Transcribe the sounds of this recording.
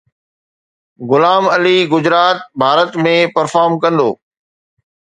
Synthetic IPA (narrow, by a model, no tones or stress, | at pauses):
ɣʊlaːmɐliɡʊd͡ʑɾaːt̪̚bʱaːɾət̪mẽpɐɾfaːɾmkɐ̃nd̪oː